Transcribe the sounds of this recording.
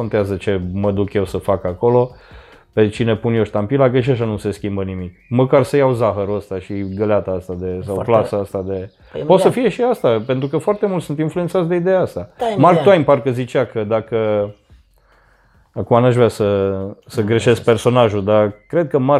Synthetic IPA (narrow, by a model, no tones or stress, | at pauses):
ont̪eazət͡ʃe̞məd̪ukje̞wsəfakako̞lo̞ | pe̞t͡ʃine̞punjoʃt̪ampilakəʃ̬iaʃanuse̞skʲimbənimikməkarsəjawzaxəɾuəst̪aʃiɡəleat̪aəst̪ad̪e̞sawplasəəst̪ad̪e̞ | pot̪səfije̞ʃiast̪apent̪ɾukəfoart̪e̞mult̪sunt̪influentsat̪sd̪eid̪ejaast̪amarkt̪uajmparkəzit͡ʃakəd̪akə | akumanaʒvɾʲasəsəɡɾeʃe̞sk̚pe̞rso̞naʒud̪akɾe̞d̪̚kəma